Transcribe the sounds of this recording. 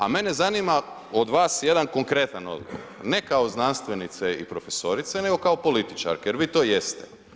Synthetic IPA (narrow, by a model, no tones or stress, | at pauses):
a̰me̞nezanima | od̪ʋaːsje̞d̪anko̞ŋkɾe̞t̪ano̞̰d̪ɡo̰ʋoo̰ɾnekaoznanst̪ʋenit̪seḭpɾo̞feso̞ɾit̪seneɡo̞kaopo̞lit̪i̥t͡ʃa̰ɾkejeɾʋiːt̪o̞ːje̞st̪e